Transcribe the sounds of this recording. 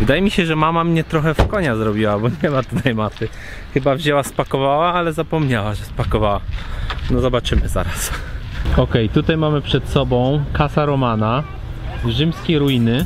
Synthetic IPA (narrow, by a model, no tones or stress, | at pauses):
vɘd̪ajɛmʲiɕɛʐɛmamamɲɛt̪ɾɔxɛfkɔɲazɾɔbʲiwabɔɲɛmat̪ut̪ʰajmat̪ɘ | xɘbavʑɛwaspakɔvawaalɛzapɔmɲawaʐɛspakɔvawanɔzɔbat͡ʂɘmɘza̰ɾas | ɔkɛjt̪ut̪ajmamɘpʂɛt̪sɔbɔ̃w̃kasaɾɔmana | ʐɘmskʲɛjɾujinɘ